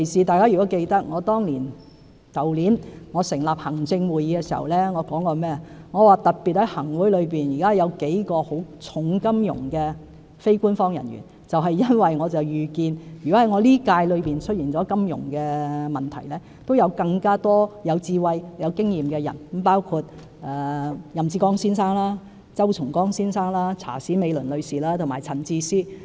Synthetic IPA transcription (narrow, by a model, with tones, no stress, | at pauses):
kʰe˨˩jsiː˨t̪aː˨jkaː˥ɥy˨kɔ˨˥ke˧jt̪ɐ˥k̚ŋɔː˨˧t̪ɔː˥ŋliː˨˩n | kɐ˨˩wliː˨˥nŋɔː˨˧sɪ˨˩ŋlaː˨p̚hɐ˨˩ŋt͡sɪ˧ŋwuː˨jiː˨˧kɛ˧siː˨˩hɐ̰˨˩wlɛː˥ŋɔː˨˧kɔː˨˥ŋkɔː˧mɛː˥ɐ˨ŋɔː˨˧waː˨t̪ɐ˨t̚piː˨t̚hɐ˨˥jhɐ˨˩ŋwuː˨˥jlɵ˨˧ɥpiː˨njiː˨˩kaː˥jɐ˨˧wke˨˥jkɔː˧ho˨˥wt͡sʰʊ˨˥ŋkɐ˥mjʊ̰˨˩ŋkɛː˧ | fe˥jkuː˥nfɔː˥ŋjɐ˨˩nɥy̰˨˩n | t͡sɐ˨wɦɐ˨jjɐ˥nwɐ˨jŋɔː˨˧t͡sɐ˨wjyː˨kiː˧njɔ˨˥ɐ˨˥jŋɔː˨˧liː˥kaː˧jlɵ˨˧piː˨˩nt͡ʃʰɵ˥t̚jiː˨˩nt͡sɔː˨˥kɐ˥mjʊ̰˨˩ŋkɛː˧mɐ˨˩nt̪ʰɐ̰˨˩jlɛː˥ | t̪o˥wjɐ˨˧wkɐ˧ŋkaː˥t̪ɔː˥jɐ˨˧wt͡siː˧wɐ˧jjɐ˨˧wkɪ˥ŋjiː˨mkɛː˧jɐ̰˨˩n˨˥mpaː˥wkʰuː˧t̚ | ʔɛ˨jɐ˨mt͡siː˧kɔː˥ŋsiː˥nsaː˥ŋlaː˥ | t͡sɐ˥wt͡sʰʊ˨˩ŋkɔː˥ŋsiː˥nsaː˥ŋlaː˥t͡sʰa̰ː˨˩siː˨˥me˨˧jlɵ˨˩nlɵ˨˧ɥsiː˨laː˥t̪ʰʊ˨˩ŋmaː˨jt͡sʰɐ˨˩nt͡siː˧siː˥